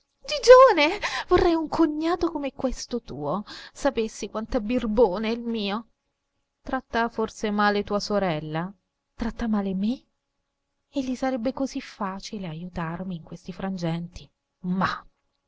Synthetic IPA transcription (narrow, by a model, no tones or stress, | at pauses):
d͡ʒid͡ʒoːnevorːɛjuŋkʰoɲːaːt̪okomekwest̪ot̪uːosapesːikwant̪abirboːneilmiːo | t̪ɾat̪ːaforsemaːlet̪uːasoɾɛlːa | t̪ɾat̪ːamaːleme | eʎːisaɾɛbːekozifːaːt͡ʃileajut̪armiːŋkwest̪ifɾand͡ʒɛnt̪i | ma